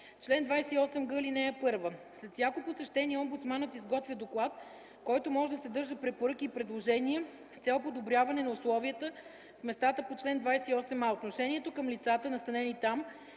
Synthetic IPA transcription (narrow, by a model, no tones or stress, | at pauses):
t͡ʃlɛnd̪vajsɛiɔsɛmɡɤlinɛɛpɤɾvəslɛt̪sʲjakoposɛʃt̪ɛniɛɔmbut̪smanət̪izɡɔt̪vʲjəd̪oklˠat̪ | kɔjt̪omɔʒɛd̪ɐsɛd̪ɤɾʒəpɾɛpoɾɤk̟iːpɾɛd̪lˠoʒɛniɛ | st̪sʲɛlˠpod̪obɾʲjavɐnɛnɐʊslˠɔviət̪ə | fmɛst̪at̪əpot͡ʃlɛnd̪vajsɛiɔsɛmaot̪noʃɛniɛt̪okəmlit̪sat̪ənɐst̪ɐnɛnit̪am